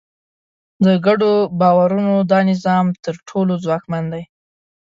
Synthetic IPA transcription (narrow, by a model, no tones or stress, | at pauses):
d̪əɡaɖobɑwaɾunod̪ɑnɪzɑmt̪əɾʈʰolozwɑkmand̪aj